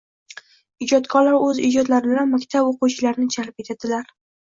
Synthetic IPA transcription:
ɪd͡ʒɒt̪kʰɒɾlaɾɵzɪ̰d͡ʒɒd̪laɾɪbɪlanmakʲt̪ʰaboquwt͡ʃʰɪlaɾnɪd͡ʒʰalp̚et̪ʰad̪ɪlaɾ

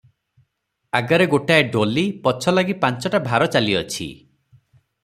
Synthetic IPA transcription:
aɡaɾeɡoʈaeɖolipɔt͡ʃʰɔlaɡipant͡ʃɔʈabʱaɾɔt͡ʃaliɔt͡ʃʰḭ

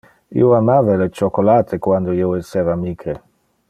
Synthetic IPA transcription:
ḭːoamaːvalet͡ʃokolaːt̪ʰekwand̪oiːoesːeːvaːmiːkɾe

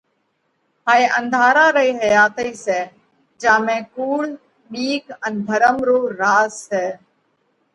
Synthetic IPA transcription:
ɦaːeːʔə̃nd̪ʱaːɾaːɾəiːɦəjaːt̪əiːsɛː | d͡ʒãːmẽːkuːl | ɓiːkənbʱəɾəmɾoːɾaːsːɛː

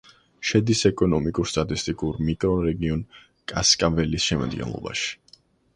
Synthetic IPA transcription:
ʃɛd̪isɛkʼɔnɔmikʼuɾst̪ʼat̪ʼist̪ʼikʼuɾmikʼɾɔɾɛɡiɔn | kʼaskʼavɛlisʃɛma̰d̪̚ɡɛ̰nlˠɔ̰ba̰ʃi̥

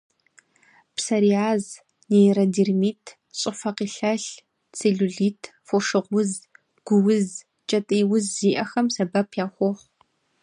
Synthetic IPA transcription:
psɐɾiaːz | neɾɐdirmiːtʰ | ɕʼɪfɐqiːɬɐɬ | t͡sʰeɮuɮiːtʰfoʂɨʁʷʊz | ɡ̥ʷʊwʊz | t͡ʃʼɐtʼiːwʊzːiːʔɐxɐmsɐbɐpʰjaːχʷɔχʷ

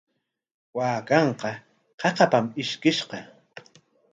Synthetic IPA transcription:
waːkɑɴqɑ | qɑqɑpamɪʃkɪʃqɑ

